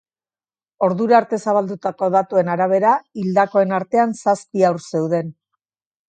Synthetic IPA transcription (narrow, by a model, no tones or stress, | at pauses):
o̞ɾðuɾaɾt̪e̞saβ̞ald̪ut̪ako̞ðat̪ue̞naɾaβ̞e̞ɾaild̪ako̞e̞naɾt̪e̞ansaspiawɾse̞wðe̞n